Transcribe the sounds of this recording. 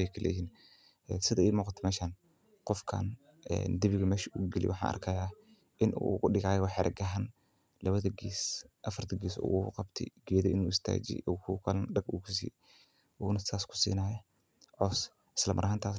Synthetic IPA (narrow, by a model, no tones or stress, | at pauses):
ɛjkʰɐlɛ̰jhiːn | ɛsɪðɐiːmuːqɑt̪ʰɛmɛːʃaːn | qɔfkʰa̰ːn | ɛ̰nd̪ɪβɪɣɐmɛːʃuːɡɪlɪ̰wʊħɑ̰ːnʔɐ̰rkʰɐjaː | ʔɪnʔṵɣʊɗɪɣaːjɔwɑħɛɾʔɐ̰ɡɐɦɐn | lɐβɐðɐɡiːsʔɐfɐrt̪ʰɐɡiːsṵːɣʊqɑbt̪ʰɛ̰ɡ̥ɛðɐɪnuːɪst̪ʰa̰ːd͡ʒɛ̰ʔɔkʰukʰɐlnɖɐɡuːkʰʊsḭː | ʔuːnɐsaːskʰʊ̥sḭːnaːjɐ | ʕɔːs | ɪ̥slɐmɐ̰ɾɐhaːnt̪ʰaː